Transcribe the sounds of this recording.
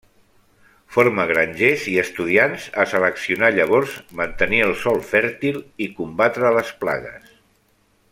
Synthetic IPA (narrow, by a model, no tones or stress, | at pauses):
foɾməɣɾaɲʲʒeziəst̪uð̞ianzəsələksiunaʎəβ̞ɔɾzmənt̪əniəlˠsɔlˠfɛɾt̪ilikumbat̪ɾələspla̰ɣ̞ə̰s